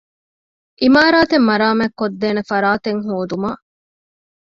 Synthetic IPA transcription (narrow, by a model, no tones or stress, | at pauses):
ʔimaːɾaːt̪emːɐɾaːmækːod̪ːeːnefɐɾaːt̪eŋɦuːd̪uma